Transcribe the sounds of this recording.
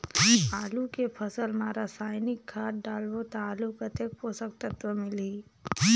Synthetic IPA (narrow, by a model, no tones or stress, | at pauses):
aːlukepʰəsəlmaːɾasaːɪnɪkʰːaːʈɖaːlʋot̪aːlukət̪ek̚posək̚t̪ət̪ʋəmɪliː